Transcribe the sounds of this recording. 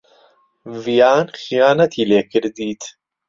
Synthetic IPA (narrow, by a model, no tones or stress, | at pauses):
vijaːnxijaːnɐt̪ʰiːleːkɪɾd̪iːt̪ʰ